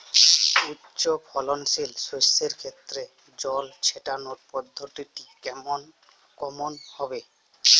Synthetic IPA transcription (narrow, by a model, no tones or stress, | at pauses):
utːɕopʰɔlonsilsosːeɾkʰet̪ːɾe | d͡ʑɔlt͡ɕʰeʈanoɾpɔd̪ʱːot̪iʈikɛmon | kɔmonhɔbe